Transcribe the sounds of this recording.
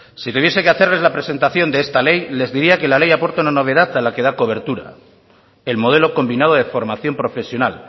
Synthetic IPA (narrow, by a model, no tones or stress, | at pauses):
sit̪uβje̞se̞keaθe̞ɾle̞zlapɾe̞se̞nt̪aθjo̞nd̪eest̪ale̞jle̞zðiɾiake̞lale̞japo̞ɾt̪aunano̞β̞e̞ðaθalake̞ð̞ako̞β̞e̞ɾt̪uɾa̰ | e̞lmo̞ð̞e̞lo̞ko̞mbinað̞o̞ð̞e̞fo̞ɾmaθjo̞mpɾo̞fe̞sjo̞nal